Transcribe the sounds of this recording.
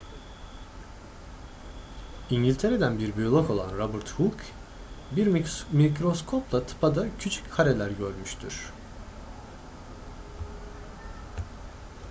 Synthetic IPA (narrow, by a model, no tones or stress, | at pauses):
iɲɟilʲt̪ʰe̞ɾe̞d̪ænbiɾbyjolˠako̞lˠanɾabɯɾt̪huk | biɾmicɾo̞skʰo̞plˠat̪ʰɯ̥pʰad̪acʰyt͡ʃʰy̥chʰaɾelʲæɾɟøɾmyʃt̪ʰy̰ɾ̥